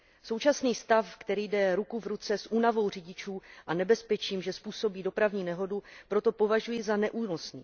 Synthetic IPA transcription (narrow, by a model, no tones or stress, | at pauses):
so̞wt͡ʃasniːst̪afkt̪ɛɾiːdɛɾukuvɾut͡sɛsʔuːnavo̞wrɪɟɪt͡ʃuːʔanɛbɛspɛt͡ʃiːmʒɛspuːso̞biːdo̞pɾavɲiːnɛɦo̞dupɾo̞t̪o̞po̞vaʒujɪzanɛʔuːnosɲḭː